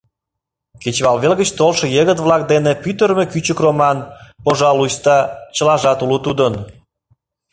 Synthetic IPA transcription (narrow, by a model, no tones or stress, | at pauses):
ket͡ɕβɑlβelɣə̆t͡ɕt̪olʃĕjeɣət̪βlɑk̚d̪enepyt̪əɾmekyt͡ɕəkromɑnpoʒɑlujst̪ɑt͡ɕəlɑʒɑt̪ulut̪ud̪ən